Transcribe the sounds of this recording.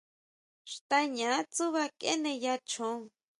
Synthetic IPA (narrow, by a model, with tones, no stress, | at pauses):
ʃt̪a˧ɲã˨˦t͡su˦βa˧kḛ˦nẽ˧ja˧t͡ʃʰõ˨˦˧